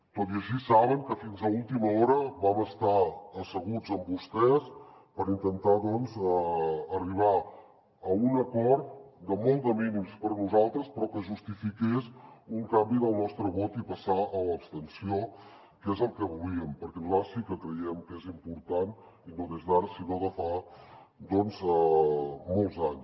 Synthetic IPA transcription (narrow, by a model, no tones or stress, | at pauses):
t̪ot̪iəʃisaβəŋkəfinzəulˠt̪iməɔɾəβaməst̪aəsəɣ̞ud͡zəmbust̪ɛs | pəɾint̪ənt̪aðɔnzəːriβ̞a | əunəkɔɾt̪̚d̪əmɔlˠd̪əminimspəɾnuzalˠt̪ɾəspɾɔkəʒust̪ifikesuŋkambiðəlˠnɔst̪ɾəβot̪ipəsaʔələːpst̪ənsio | kɛzəlˠkəβuliəmpəɾkɛnlasikəkɾəjɛmkezimpuɾt̪an | inoðezðaɾəsinoðəfa | d̪ɔnzəmɔlˠzaɲs